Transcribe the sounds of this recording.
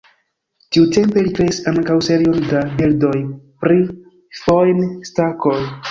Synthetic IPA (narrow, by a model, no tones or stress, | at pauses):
tiute̞mpe̞likɾe̞isaŋkawse̞ɾio̞ndabildo̞jpɾi | fojnstako̞j